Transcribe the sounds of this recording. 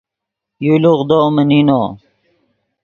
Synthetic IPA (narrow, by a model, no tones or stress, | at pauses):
juluʁd̪oːmənino